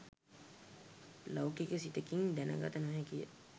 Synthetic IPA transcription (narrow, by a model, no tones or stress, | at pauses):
lawkikəsit̪əkiŋd̪ænə̰ɡa̰t̪ənɦɛkijə̰